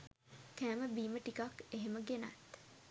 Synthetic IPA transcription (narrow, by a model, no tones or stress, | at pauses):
kæːməbiːməʈikakeɦeməɡena̰t̪